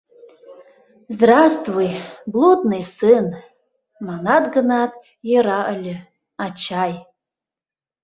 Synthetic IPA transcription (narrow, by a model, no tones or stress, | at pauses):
zd̪rast̪vujblˠud̪nɨjsɨn | manad̪ɡɨnat̪ʼ | jeɾaʔəlʲɪ | at͡ʃʰaj